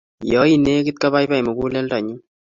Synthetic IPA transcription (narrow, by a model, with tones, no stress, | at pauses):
jɔ˦i˨ne˦kɪ˦t̪̚ka˦βa˦jba˦˨jmo˨ku˦lɛ˦lta˨ɲu˦